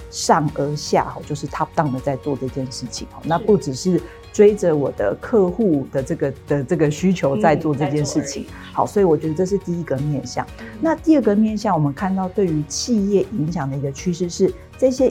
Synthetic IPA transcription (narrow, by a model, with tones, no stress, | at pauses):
ʂɑ˥˩ŋə˧˥ɕja̰˥˩xɔ̰˩t͡ɕjo˥˧ʊʂɻ̩˥˩t̪ʰa˥pu˨˩t̪ɑ˥˩ŋd̪ə˩t͡sa˥˧ɪt͡swɔ˥˧ʈ͡ʂɤ˥˧t͡ɕjɛ˥˧nʂɻ̩˥˩t͡ɕʰḭ˨˩ŋhɔ̰˩˦na˥˧pu˥˩ʈ͡ʂɻ̩˨˩ʂɻ̩˥˩ | ʈ͡ʂwe˥ɪʈ͡ʂə˨wɔ˨˩d̪ə̰˦kʰɤ˥˧xu˥˩d̪ə˩ʈ͡ʂɤ˥˩ɡə˩d̪̥ə˨ʈ͡ʂɤ˥˩ɡə˩ɕy˥t͡ɕʰjo˧˥ʊt͡sa˥˧ɪt͡swɔ˥˧ʈ͡ʂɤ˥˧t͡ɕjɛ˥˧nʂɻ̩˥˩t͡ɕʰḭ˨˦ŋ | xɑ˨˦ʊswɔ˧˥i˨˩wɔ˨˩t͡ɕɥɛ˧˦d̪ə˧ʈ͡ʂɤ˥˧ʂ̬ɻ̩˥˧t̪i˥˩i˧˥ɡə˨mjɛ˥˧nɕjɑ̰˥˩ŋna˥˧t̪i˥˧ə˥˩ɡə˨˩mjɛ˥˧nɕjɑ˥˩ŋwɔ˨˩mə˦nkʰa˥˧nt̪ɑ˥˧ʊt̪we˥˩ɪy˧˥t͡ɕʰi˥˧jɛ˥˩ʔi˧˥ŋɕ̬jɑ˨˩ŋd̪ə˩i˧˥ɡə˧t͡ɕʰy˥ʂɻ̩˥˧ʂɻ̩˥˩ | ʈ͡ʂɤ˥˧ɕjɛ˦˥